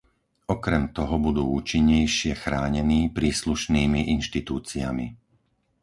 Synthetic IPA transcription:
ɔkɾɛmt̪ɔɦɔbud̪uːuːt͡ʃiɲːɛjʃɪɛxɾaːɲɛniːpɾiːsluʃniːmiʔinʃt̪it̪uːt͡sia̰mḭ

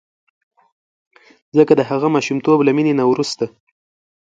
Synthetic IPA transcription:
zəkad̪əɦaɣamɑʃumt̪oblaminenawɾust̪a

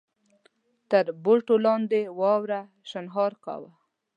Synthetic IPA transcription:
t̪əɾboʈolɑnd̪ewɑwɾa | ʃanɦɑɾka̰wa

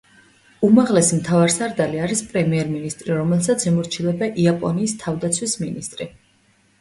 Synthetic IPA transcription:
umaʁlɛsimt̪ʰavaɾsaɾd̪aliaɾispʼɾɛmiɛɾminist̪ʼɾiɾɔmɛlˠsat̪sʰimuɾt͡ʃʰilɛbaʔiapʼɔniːst̪ʰavd̪at̪sʰwisminist̪ʼɾi

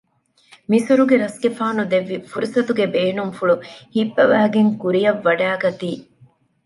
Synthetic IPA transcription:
misuɾuɡeɾɐsɡefaːnud̪eʋːifuɾisɐt̪uɡebeːnuŋfuɭuhibːɐʋæːɡeŋkuɾijɐʋːɐɖæːɡɐt̪iː

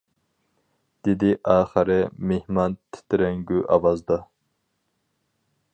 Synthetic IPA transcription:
d̪̥ed̪ɪʔɑːχəɾɪmehmɑnt̪ʰɪ̥t̪ʰɾɛŋɡʲyʔɑvɑzd̪ɑ

